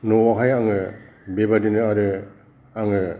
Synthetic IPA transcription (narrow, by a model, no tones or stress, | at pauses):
nɔwaɦajaŋɯ | bebadinɯaɾɯ | aŋɯ